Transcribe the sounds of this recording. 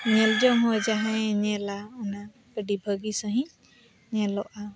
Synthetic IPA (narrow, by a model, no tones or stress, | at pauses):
ɲɛld͡ʒɔɦɔd͡ʒaɦãjɲɛlaɔna | b̥əɖibʱəɡisaɦĩɲ | ɲɛlɔʔa